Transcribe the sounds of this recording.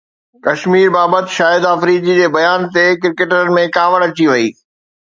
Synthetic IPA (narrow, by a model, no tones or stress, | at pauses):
kɐʃmiːɾbaːbət̪ɪʃaːjəd̪aːfɾiːd͡ʑid͡ʑeːbɐjaːnt̪ekɪɾkeʈəənɪ̆mẽkaːʋəɽ̃ɐt͡ɕiʋɐḭː